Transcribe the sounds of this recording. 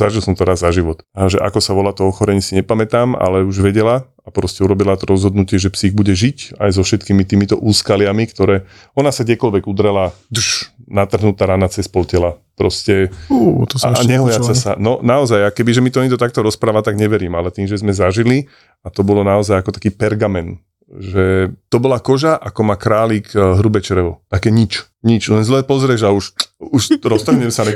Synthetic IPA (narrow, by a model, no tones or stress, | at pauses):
zaʒilˠsɔmt̪ɔɾaːzːaʒiʋɔt̪ʒɛʔa̰kɔsaʋɔlat̪ɔɔxɔɾɛɲɛsiɲɛpamɛt̪aːma̰lɛuʒʋɛɟɛla | apɾɔscɛuɾɔbilat̪ɔɾɔzɦɔd̪nucɪɛʒɛpsiɣbuɟɛʒica̰jzɔfʃɛt̪kiːmit̪iːmit̪ɔʔuːskalɪamikt̪ɔɾɛː | ɔnasaɡdjɛkɔlʋɛɡud̪ɾɛlad̪ʃnat̪r̩ɦnut̪aːɾanat͡sɛspɔlcɛlapɾɔscɛut̪ɔsaɲɛɦɔjat͡sasa̰nɔnaɔzajakɛbiʒɛmit̪ɔɛɲiɡd̪ɔt̪akt̪ɔɾɔspɾaːʋat̪aɡɲɛʋɛɾiːmalɛt̪iːmʒɛzmɛzaʒili | at̪ɔbɔlɔnaɔzajakɔt̪ḁkiːpɛɾɡamɛn | ʒɛt̪ɔbɔlakɔʒaʔakɔmakɾaːliːkɦɾubɛt͡ʃɛɾɛʋɔt̪akɛːɲit͡ʃ | ɲit͡ʃlɛnzlɛːpɔzɾɛʒauʃuʃɾɔst̪ɔɦɲɛmɛsanɛ